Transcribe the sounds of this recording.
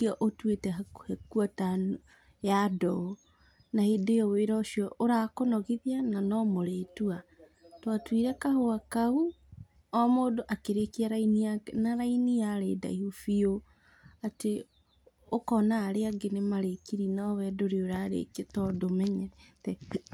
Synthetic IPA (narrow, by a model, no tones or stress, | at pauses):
kiɔʔotwetɛhekwatano | jadɔo | nahendeɔweɾaoʃiɔʔoɾakonɔɣiðiananɔmoɾetua | twatwiɾɛkahoakau | ɔmoːdoʔakeɾekiaɾainianaɾainijaɾeda̰ihufio | ate | okɔnaːɾeaɡenemaɾekiɾinɔwɛdoɾeoɾaɾḛketɔdomɛɲɛɾɛtɛ